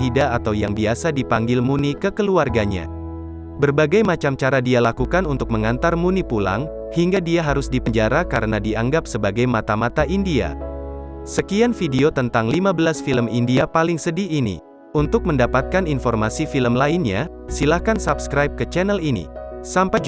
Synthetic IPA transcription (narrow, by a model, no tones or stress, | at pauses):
idaːt̪awjaŋbiasadipaŋɡɪlmunikəkəluarɡaɲa̰ | bərbaɡajmat͡ʃamt͡ʃaɾadialakukanunt̪ʊk̚məŋant̪armunipula̰ŋ | hiŋɡadiaɦaɾʊsdipəɲd͡ʒaɾakaɾənadiaŋɡapsəbaɡajmat̪amat̪aʔindia̰ | səkianfideot̪ənt̪aŋlimabəlasfiləmindiapalɪŋsədiːnḭ | unt̪ʊk̚məndapat̪̚kaninfɔrmasifiləmlainɲa̰ | silahkansabskɾajp̚kət͡ʃɛnɛlinḭsampa